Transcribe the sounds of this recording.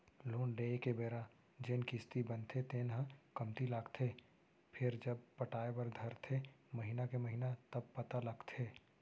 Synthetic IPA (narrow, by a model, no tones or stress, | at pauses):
loːnɖeːekebeːɾa | d͡ʒenkɪst̪ibənt̪ʰet̪eːnɦə̃kɐmt̪ilaːɡt̪ʰeː | pʰɪɾd͡ʒəbpəʈaːebəɾd̪ʱɐɾt̪ʰeməɦiːnakeməɦiːnat̪ɐb̚pɐt̪alɐɡt̪ʰeː